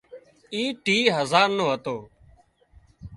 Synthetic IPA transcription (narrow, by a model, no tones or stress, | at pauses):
iːʈiːɦəzaːɾnõːɦət̪oː